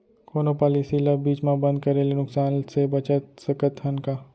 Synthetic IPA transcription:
koːnopaːlisilabiːt͡ʃmãbə̃nd̪̚kɐɾeːlenʊksaːnsebɐt͡ʃət̪səkət̪ɦɐnkaː

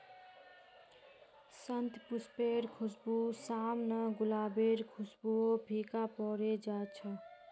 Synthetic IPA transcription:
sənt̪puspeːɾkʰʊsbusaːmnəɡʊlaːbeɾkʰʊsbuobʱikapɔːɾed͡ʒaːt͡ʃʰə

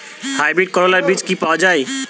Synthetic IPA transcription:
hajbɾeʈ̚kəɾolaɾbit͡ʃkipad͡ʒaj

